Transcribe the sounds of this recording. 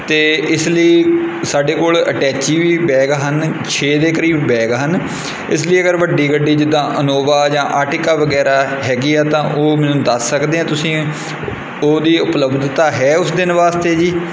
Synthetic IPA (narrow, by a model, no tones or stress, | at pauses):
t̪eːɪsləiːsaːɖeːkoːlə̰ʈɛːt͡ʃiːʋiːbɛːɡɦənt͡ʃʰeːd̪eːkəɾiːbbɛːɡɦən | ɪs̬ləiːəɡəɾʋəɖːiːɡəɖiːd͡ʒɪd̪ãːʔənoːʋaːd͡ʒãːʔaːʈɪkaːʋəɡɛːɾaːɦɛːɡiːɛːt̪ãːʔoːmɛ̃ːnũːd̪əsːəkd̪eːɦãːt̪ʊsĩː | oːd̪iːʊpləbd̪t̪aːɦɛːʊsd̪ɪnʋaːst̪eːd͡ʒiː